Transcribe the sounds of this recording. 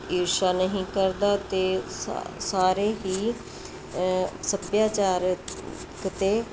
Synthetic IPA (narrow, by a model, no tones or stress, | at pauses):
iːɾʃaːnəɦĩːkəɾd̪aːt̪ḛː | saːɾeːɦiː | səbjaːt͡ʃaːɾ | kət̪eː